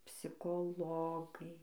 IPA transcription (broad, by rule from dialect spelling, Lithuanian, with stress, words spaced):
pʲsʲɪkoːˈlˠoːɡɐɪ